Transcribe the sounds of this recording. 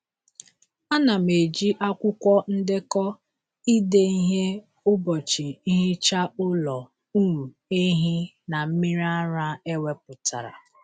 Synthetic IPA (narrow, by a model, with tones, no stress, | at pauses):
a˦na˨m̩e˨d͡ʒi˦ʔa˦kʷʊ˦kʷɔ˦n̩˦dɪ˦kɔ˦ | i˦de˦i˦ɦe˦ | ʊ˦bɔ˨t͡ʃi˨i˦ɦi˦t͡ʃa˦ʊ˦lɔ˨ | u˦m̩˨e˦ɦi˦ | na˨m̩˦mi˦ɾa˦ɾa˦e˦we˦p̚ʊ˨tʰa̰˨ɾa̰˨